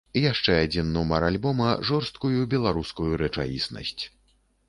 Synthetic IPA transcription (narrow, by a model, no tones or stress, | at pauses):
jaʂt͡ʂɛad͡zʲinːɔmɐɾalʲbɔmɐʐɔrst̪̚kujubʲɛlˠaɾuskujuɾɛt͡ʂa̰jʲḭsnɐ̰sʲt͡sʲ